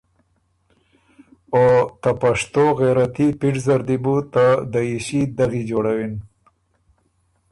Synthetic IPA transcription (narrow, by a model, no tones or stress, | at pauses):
ot̪apaʂt̪oɣeɾat̪ipiʈzaɾd̪ibut̪ad̪əiʃid̪aɣid͡ʒoɽawin